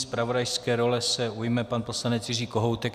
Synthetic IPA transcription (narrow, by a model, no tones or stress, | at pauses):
spɾavo̞dajskɛːɾo̞lɛsɛʔujmɛpanpo̞slanɛt͡sjɪriːko̞ɦowt̪ɛk